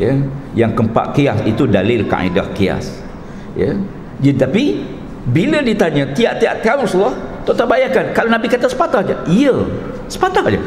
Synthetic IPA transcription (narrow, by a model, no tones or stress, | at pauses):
jəjaŋkəmpa̰ʔkiasit̪udalɪlka̰ʔḭda̰hkia̰s | jə̰ | d͡ʒət̪api | bilədit̪aɲãt̪iaʔt̪iaʔt̪kaʊnrɔsulːaht̪oʔt̪abajakankalanabikat̪asə̥pat̪ahd͡ʒə̰iə | sə̥pat̪ahd͡ʒə̰